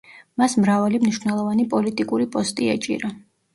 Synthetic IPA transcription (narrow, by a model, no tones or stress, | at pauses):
masmɾavalimniʃwnɛlˠɔvanipʼɔlit̪ʼikʼuɾipʼɔst̪ʼia̰t͡ʃʼḭɾa